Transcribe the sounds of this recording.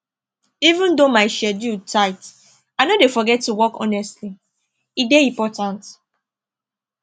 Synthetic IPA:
ivũndomaɪʃɛdjutʰaɪt | aɪnodefɔɡɛtːuwɔkɔ̰nɛstli | ideĩmpɔtãnt

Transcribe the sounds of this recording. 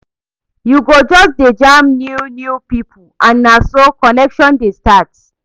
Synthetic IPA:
juɡod͡ʒɔsded͡ʒãmnjunjupipʰulʔãnːasokɔnɛkʃɔ̃ndestat

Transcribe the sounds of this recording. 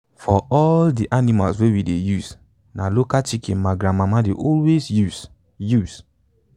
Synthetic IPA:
fɔɔldiʔanima̰lswewidejuz | nalokat͡ʃikʰĩnmaɡɹãmamadeʔɔlwezju | jus

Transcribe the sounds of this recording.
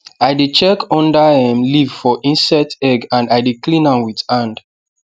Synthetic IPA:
aɪdit͡ʃɛkɔ̃ndahɛ̃mliv̥fɔʔĩnsɛtɛɡãndaɪdiklĩnãnwið̥ãnd

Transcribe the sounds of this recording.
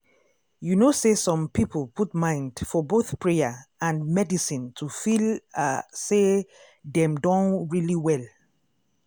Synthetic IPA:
junosesɔ̃mpipəlputmãɪ̃ndfɔboθpʰɹeəãnmɛdisĩntʰufilase | dɛ̃mdɔ̃nɹiliwɛl

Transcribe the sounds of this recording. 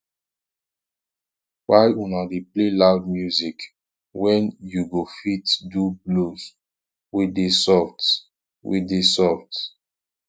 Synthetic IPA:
wajunadeplelaʊdmjuzik | wɛ̃njuɡofitdublos | widesɔft | wḭdesɔft

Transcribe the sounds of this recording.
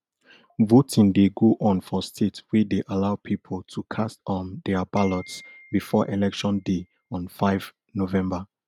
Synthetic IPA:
votĩndeɡoʔɔ̃nfɔstʰetwideʔalaʊpʰipʰəlˠtʰukʰastɔ̃ndɛabalɔtsbifɔʔelɛkʃɔ̃nde | ɔ̃nfaɪv | novɛ̃mba

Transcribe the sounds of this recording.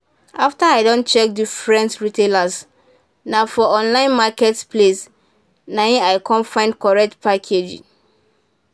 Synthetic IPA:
aftaaɪdõnt͡ʃɛk̚difɹɛ̃ntɹitelas | nafɔɔ̃nlãɪ̃nmakɛtsples | nãĩaɪkʰɔ̃nfãɪ̃ndkɔɹɛk̚tpʰakʰed͡ʒḭ̃

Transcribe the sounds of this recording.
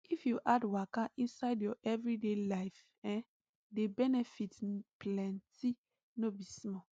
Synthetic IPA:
ifjuʔadwakaʔĩnsaɪdjɔʔɛvɹidelaɪf | ɛ̃n | debɛnɛfitplɛ̃nti | nobismɔ

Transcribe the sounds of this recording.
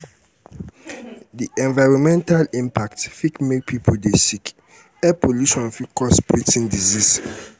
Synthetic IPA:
diʔɛ̃nvaɪɹɔ̃mɛ̃ntalĩmpʰaktfikmek̚pʰipʰoldesik | ɛpʰoluʃɔ̃nfikʰɔspɹitĩŋdizis

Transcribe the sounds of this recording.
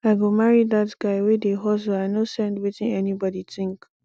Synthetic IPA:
aɪɡomaɹidatɡ̥aɪwedeɦɔsoaɪnosɛ̃ndwetĩnɛnibɔditɪ̃ŋk

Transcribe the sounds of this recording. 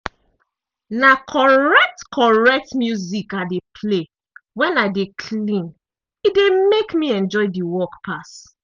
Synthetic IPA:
nakʰɔɹɛk̚tkʰɔɹɛk̚tmjuzikadepʰle | wɛ̃naɪdekʰlĩn | idemekmiɛ̃nd͡ʒɔɪdiwɔkpʰas

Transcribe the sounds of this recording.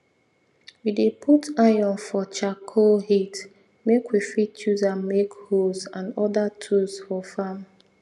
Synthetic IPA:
widepʰutajɔ̃nfɔt͡ʃakʰohit | mekwifitt͡ʃuzamekhozãnɔdatʰuzfɔfãm

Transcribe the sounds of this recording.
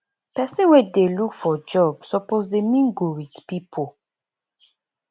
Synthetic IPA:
pɛsĩnwedelukfɔd͡ʒɔbsɔpozdemĩnɡowidpipʰo

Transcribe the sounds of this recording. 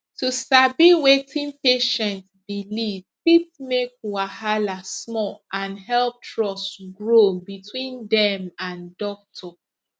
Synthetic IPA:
tustabiwetʰĩnpeʃɛ̃ntbilivpitmek̚wahalasmɔlãnɦɛlp̚tɹɔsɡɹobitʰwĩndɛmãndɔk̚tʰɔ

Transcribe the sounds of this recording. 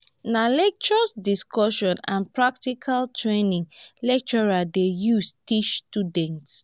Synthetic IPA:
nalɛk̚t͡ʃɔsdiskɔʃɔ̃nã̰npɹaktikʰaltʰɹenĩŋlɛk̚t͡ʃɔɹadejustit͡ʃstudɛ̃nts

